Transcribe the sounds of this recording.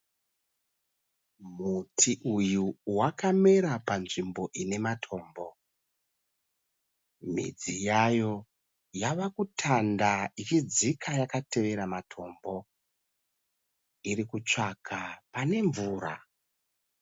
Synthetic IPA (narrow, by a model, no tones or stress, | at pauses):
mutʰiʔujuwakame̞ɾapanʐimbo̞ʔine̞matʰo̞ːmbo̞ | mḭd͡zijajo̞ | jaʋakutʰandait͡ʃid͡zikʰajakate̞ʋe̞ɾamatʰo̞mbo̞ | iɾikut͡ʂakʰapane̞ɱvuːɾa̰